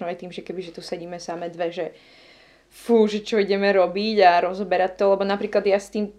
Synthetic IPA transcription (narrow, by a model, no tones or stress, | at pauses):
nɔajt̪iːmʒɛkɛbiʒɛt̪usɛɟiːmɛsamɛd̪ʋɛʒɛ | fuːʒɛt͡ʃɔiɟɛmɛɾɔbiɟaɾɔzɔbɛɾac̚t̪ɔlɛbɔnapɾiːklad̪jast̪iːm